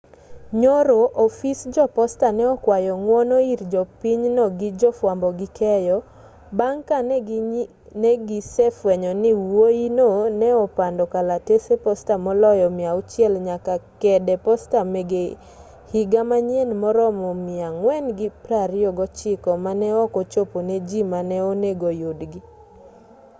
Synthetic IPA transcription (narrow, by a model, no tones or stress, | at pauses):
ɲoɾoʔɔfisd͡ʒɔpɔstanɛɔkwajɔŋwɔnɔiɾd͡ʒɔpiɲnɔɡɪd͡ʒɔfwambɔɡɪkɛjɔ | baŋka | nɛɡɪsɛfwɛɲɔnɪwwoinonɛɔpandɔkalatesepɔstamɔlɔjɔmɪaʊt͡ʃjɛlɲakakɛdɛpɔstameɡe | hiɡamaɲenmɔɾɔmɔmɪaŋwɛnɡɪpɾaɾɪɔɡɔt͡ʃɪkɔmanɛɔkɔt͡ʃoponed͡ʒimanɛoneɡojodɡɪ